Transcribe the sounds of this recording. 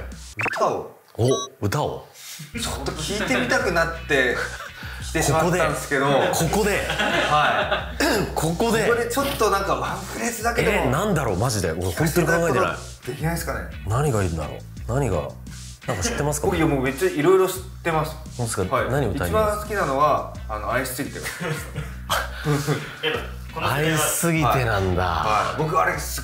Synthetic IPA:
ɯ̟t̪ʰao̰ | oɯ̟t̪ao̰t͡ɕo̥t̪ːokʲʰiːt̪e̞mʲit̪akɯ̟nat̪ːe̞ | i̥t̪eɕimakod̪eãnd̪esɨ̥ke̞d̪okʰo̞ko̞d̪e̞hai | kʰo̞ko̞d̪eod̪et͡ɕo̞t̪ːonãŋkamãŋkɯ̟ɾe̞t͡sɨd̪aked̪enãnd̪aɾo̞maʑid̪e̞ohont̪o̞ɲikãŋɡaet̪ena̰i | d̪̥e̞kʲinaisɨ̥kane̞̰ | naɲ̟iɡaiɾɯ̟d̪a̰ɾo̰ː | naɲ̟iɡa̰ | nãŋkaɕi̥t̪ːemasɨ̥kaoiamoːme̞t͡ɕːaiɾo̞iɾo̞ɕi̥t̪ːe̞masɨ̥sod̪eskanaɲ̟iotiaiiãsɨ̥kʲinano̞βaː | no̞aisɨ̥sɨɡʲit̪e | ɯ̟̃ | aisɨɡʲit̪e̞nãnd̪a̰abokɯaɾesɨ

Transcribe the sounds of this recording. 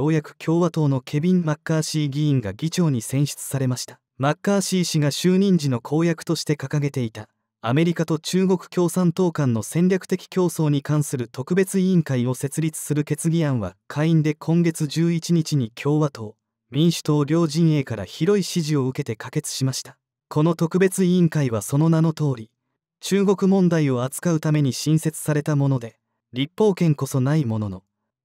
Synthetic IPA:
jo̞ːjakɯ̟̥kʲʰo̞ːβat̪o̞ːno̞kʰe̞bʲĩmmakːaːɕiːɡʲiĩŋɡa̰ɡʲit͡ɕo̞ːɲ̟isẽ̞ɰ̃ɕi̥t͡sɨ̥saɾe̞maɕi̥t̪ḁ | makːaːɕiːɕiɡaɕɨːɲ̟ĩɲ̟d͡ʑino̞kʰo̞ːjakɯ̟̥t̪o̞ɕi̥t̪e̞kakaɡe̞t̪e̞it̪a | ame̞ɾʲikat̪o̞t͡ɕɨːɡo̞kɯ̟̥kʲo̞ːsãnt̪o̞ːkãnːo̞sẽ̞nɾʲakɯ̟̥t̪e̞kʲi̥kʲo̞ːso̞ːɲ̟ikãɰ̃sɨɾɯ̟t̪o̞kɯ̟be̞t͡sɨĩŋkaio̞se̞t͡sɨɾʲit͡sɨ̥sɨɾɯ̟ke̞t͡sɨɡʲiãɰ̃βa̰kʰaiĩnd̪e̞kʰõ̞ŋɡe̞t͡sɨʑɨːit͡ɕiɲ̟it͡ɕiɲ̟ikʲʰo̞ːβat̪o̞ː | mʲĩɰ̃ɕɨ̥t̪o̞ːɾʲo̞ːʑĩɰ̃e̞ːkaɾa̰çiɾo̞iɕiʑio̞ɯ̟ke̞t̪e̞kake̞t͡sɨ̥ɕimaɕi̥t̪ḁ | kʰo̞no̞t̪o̞kɯ̟be̞t͡sɨiĩŋkaiβaso̞no̞nano̞t̪o̞ːɾʲi | t͡ɕɨːɡo̞kɯ̟mõ̞nd̪aio̞at͡sɨ̥kaɯ̟t̪ame̞ɲ̟iɕĩɰ̃se̞t͡sɨ̥saɾe̞t̪amo̞no̞d̪e̞ | ɾʲipːo̞ːkẽ̞ŋko̞so̞naimo̞no̞no̞

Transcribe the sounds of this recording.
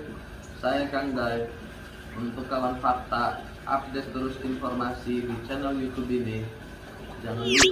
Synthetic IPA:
sajakaŋdaɪk̪̚ | unt̪ʊkːawanfat̪a | ʔa̰p̚dɛt̪ːəɾʊsinfɔrmasidit͡ʃɛnɛljut̪ubinɪ | d͡ʒaŋan

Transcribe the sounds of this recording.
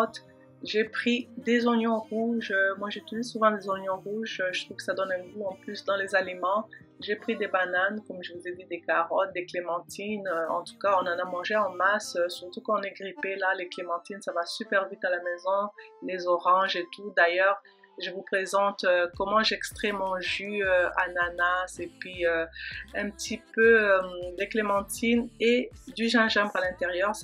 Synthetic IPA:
t̪ | ʒepχid̪ezɔnjɔ̃ʁuʒømwaʒet̪uisuvɑ̃d̪ezɔnjɔ̃ʁuʒøʒət̪χuv̥kə̥sad̪ɔnɛ̃ɡuɑ̃plysd̪ɑ̃lezalimɑ̃ | ʒepχid̪ebanankɔmʒəvuzed̪id̪ekaʁɔt̪̚d̪eklemɑ̃t̪ʰinøɑ̰̃t̪u̥kaɔ̃nɑ̃namɑ̃ʒeɑ̃masøsyʁt̪ukɑ̃ɔ̃nɛɡʁipelaleklemɑ̃t̪insavasypɛʁvit̪alamɛzɔ̃lezɔʁɑ̃ʒet̪ud̪ajœʁ | ʒəvupχezɑ̃t̪økɔmɑ̃ʒɛkst̪χɛmɑ̃ʒyøa̰nanasepɥiøɛ̃pət̪ʰipøømd̪eklemɑ̃t̪ʰined̪yʒɛ̃ʒɛ̃bʁalɛ̃t̪eʁjœʁ

